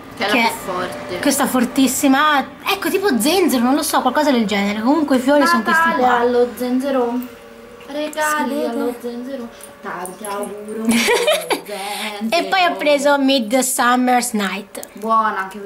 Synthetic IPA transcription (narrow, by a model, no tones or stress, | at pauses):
kɛlefɔrt̪ekwest̪afort̪isːima | ɛkːot̪iːpod̪zːɛnd̪zeɾonõnlosɔkːwalkɔːzad̪eld͡ʒɛːneɾekomuŋkweifjoːɾisonk̪est̪ialːod̪zɛnzeɾo | ɾekallod̪ɛnzeɾo | t̪aaɾ | eppːɔjapːɾeːzomid̪samːersnajt̪bwɔːnaŋke